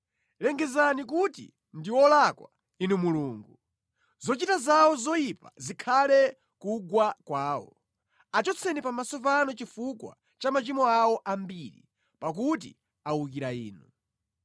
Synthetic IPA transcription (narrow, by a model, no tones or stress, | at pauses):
lɛŋɡɛzanikutḭ | ndiwɔlakwa | inumuluːŋɡu | zɔt͡ʃitazawɔzɔipa̰zikʰalɛ | kuɡwakwaːwɔ̰ | at͡ʃɔt͡sʰɛnipamasɔpanɔt͡ʃifukwa̰ | t͡ʃamat͡ʃimɔawɔʔambiɾḭ | pak̬ut̬ḭ | awukiɾaḭːnu